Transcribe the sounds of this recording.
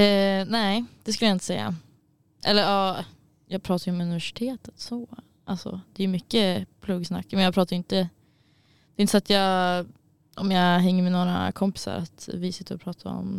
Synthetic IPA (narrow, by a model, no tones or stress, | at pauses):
næɪd̪̥ɛs̬kɵljaɪnt̪əsɛjːa̰ | ʔɛ̰lːəɾɑː | jɑːɡ̚pʰɾɑːt̪aɾjəɔmɵnɪvæʂɪ̥t̪ʰeːt̪ət̪sɔ | ʔalsɔ̰d̪̥ɛjʏmʏkːəpʰluɡsna̰kːmɛnjɑɡpʰɾɑːt̪aɾjʏɪnt̪ə | d̪̥ɛɪnt̪əsat̪jɑː | ʔɔmjɑɦɛŋːəɾmɛnoːɾa̰kʰɔmpɪ̥sa̰ɾa̰t̪vɪsɪ̥t̪ːəɾɔpʰɾɑːt̪ʰaɾɔ̰m